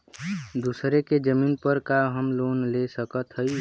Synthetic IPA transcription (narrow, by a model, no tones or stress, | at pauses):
d̪usɾeked͡ʒəminpəɾkaɦəmlonlesəkət̪ɦəj